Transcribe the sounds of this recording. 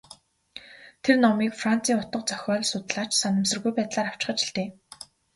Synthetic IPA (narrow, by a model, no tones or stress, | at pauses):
t̪ʰernɔmiːkfran̥t͡sʰiːŋʊt̪ə̆q̚t͡sœxʲɔːɮsʊt̪̆ɮaːt͡ɕsanə̆msə̆rɣujpæːt̪ɮaːɾaw̥t͡ɕ̆χə̆t͡ɕɪ̥ɬt̪eː